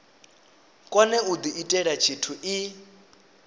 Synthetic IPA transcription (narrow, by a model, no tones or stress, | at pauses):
kʼwanɛud̪iitʼɛɺat͡ʃʰitʰuʔi